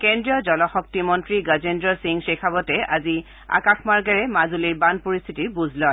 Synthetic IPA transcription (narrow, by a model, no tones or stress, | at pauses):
kendɹijɔd͡ʒɔlɔxɔk̚timɔntɹiɡazendɹɔsiŋsekʰabɔtɛazi | a̰kaxʰmaɹɡaɹɛmazuliɹbanpoɹist̪ʰitiɹbuzʱlɔ